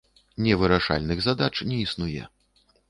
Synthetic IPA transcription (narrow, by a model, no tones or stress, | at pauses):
nʲɛvɨɾaʂa̰lʲnɨɣzad̪at͡ʂnʲɛisnujɛ̰